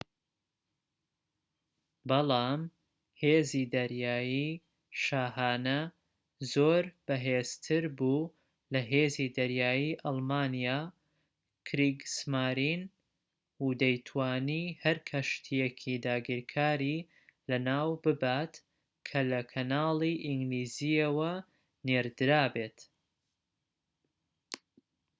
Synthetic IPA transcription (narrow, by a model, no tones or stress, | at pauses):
bɑlˠɑːm | heːziːd̪ɐɾjaːjiː | ʃaːɦaːnɐ | zoːɾb̥ɐɦeːst̪ʰɨɾbuː | lɐɦeːzid̪ɐɾjaːjiʔɑlˠmaːnijaː | kʰɾiɡsmaːɾin | hud̪ɐjt̪ʰwaːnihɐɾkʰɐʃt̪ʰijekʰid̪aːɡiɾkʰaːɾiː | lɐnaːwbɨbat̪ | kʰɐlɐkʰɐnaːlˠiʔiŋɡliːzijɐwɐ | neɾd̪ɨɾaːbeːt̪